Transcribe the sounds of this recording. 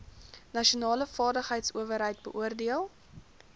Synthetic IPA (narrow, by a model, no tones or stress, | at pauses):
nɐʃionɑːləfɑːdəχɦəjtsuəvəɾɦəjt̚bəʔuərdiəlˠ